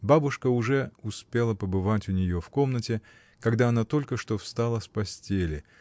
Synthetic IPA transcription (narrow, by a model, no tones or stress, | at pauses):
babʊʂkəʊʐɛʊspʲe̞lˠəpəbɨvatʲʊnʲɪjo̞fko̞mnətʲɪ | kɐɡd̪aɐnat̪o̞lʲkəʂt̪o̞fst̪alˠəspɐsʲtʲelʲɪ